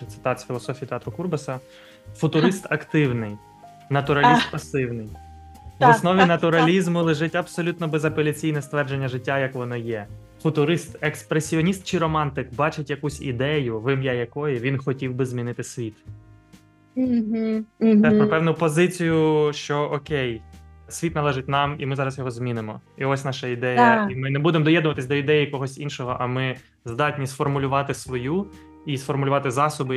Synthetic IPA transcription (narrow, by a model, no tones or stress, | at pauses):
t̪sɪ̥t̪ɑt̪sʲfʲilˠɔsɔfʲijit̪eɑt̪ɾʊkurbɐsɐ | fʊt̪ʊɾɪst̪ɐkt̪ɪwnɪj | nɐt̪ʊɾɐlʲist̪pɐsɪwnɪj | ʋɔsnɔʋʲinɐt̪ʊɾɐlʲizmʊlˠɪʒɪtʲɐbsɔlʲut̪nɔbɛzɐpɔlʲit͡sʲijnɛst̪ʋɛrd͡ʒe̞nʲːɐʒɪtʲːajɐkʋɔnɔjɛ | fʊt̪ʊɾɪst̪ekspɾesʲiɔnʲist̪̚t͡ʃɪɾɔmɑnt̪ɪkbɑt͡ʃɪtʲjɐkusʲḭd̪ɛjʊʋɪmjajɐkɔjɪʋʲinxɔtʲiwbɪzmʲinɪt̪ɪsʲʋʲit̪ | ɦ̩̪ɛpɾɔpɛwnʊpɔzɪt͡sʲijʊʃt͡ʃɔʔɔkʲɛj | sʲʋʲit̪nɐlˠɛʒɪt̚ʲnɑmimɪzɑɾɐsjɔɦɔzmʲinɪmɔiɔsʲnɑʃɐid̪ɛjɐimɪnɛbud̪emɔd̪ɔjɛd̪nʊʋɐt̪ɪsʲd̪ɔid̪ɛjikɔɦɔsʲinʃɔɦɔʔɐmɪ | zd̪ɑtʲnʲisfɔrmʊlʲʊʋɑt̪ɪsʋɔju | isfɔrmʊlʲʊʋɑt̪ɪzɑsʊbʊ